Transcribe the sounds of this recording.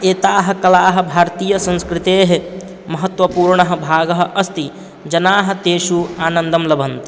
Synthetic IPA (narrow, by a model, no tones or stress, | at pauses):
eːt̪aːɦɐ̆kɐlaːɦɐ̆bʱaːɾt̪iːjɐsɐ̃nskɾɪt̪eːɦe | mɐɦɐt̪ʋɐpuːɾɳɐɦɐ̆bʱaːɡɐɦɐ̆ʔɐst̪i | d͡ʒɐnaːɦɐ̆t̪eːʃuaːnɐnd̪ɐmlɐbʱɐnt̪i